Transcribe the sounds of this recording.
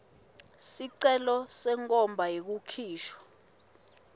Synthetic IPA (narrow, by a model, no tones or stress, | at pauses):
siǀɛlɔsɛŋkʼɔmbʱajek̬ukʰiːʃwɔ̥